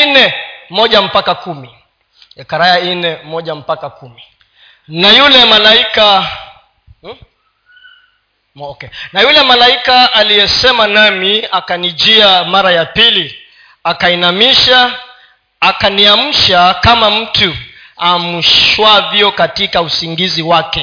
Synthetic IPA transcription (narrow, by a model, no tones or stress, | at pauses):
nɛmɔʄam̩pakakumi | ɛkaɾajainɛmɔʄam̩pakakumi | najulɛmalaika | ɔkɛnajulɛmalaikaalijɛsɛmanamiakanid͡ʒiamaɾajapili | akainamiʃaː | kaniam̩ʃakamam̩tu | amuʃwaviɔkatikausiŋɡiziwakɛ